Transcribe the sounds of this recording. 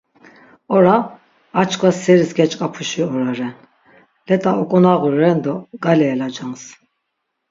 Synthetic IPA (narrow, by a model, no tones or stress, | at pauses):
ɔɾa | at͡ʃʰkʰʼwasɛɾisɡɛt͡ʃʼkʼapʰuʃiɔɾaɾɛn | lɛt̪ʼaɔkʼɔnaɣuɾɛnd̪ɔɡ̥alɛːlad͡ʒaŋs